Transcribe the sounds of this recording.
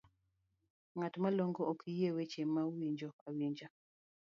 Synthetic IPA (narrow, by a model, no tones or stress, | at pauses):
ŋatmalɔŋɡɔokʰijewet͡ʃemːawiɲd͡ʒoawiɲd͡ʒa